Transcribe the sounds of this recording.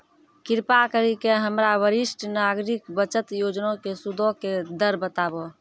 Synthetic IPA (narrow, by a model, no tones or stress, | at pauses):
kɪɾpakəɾikeɦəmɾaʋəɾɪsʈʰnaɡɾikbət͡ʃət̪joːd͡ʒnõkesud̪ʱoked̪əɾbət̪abo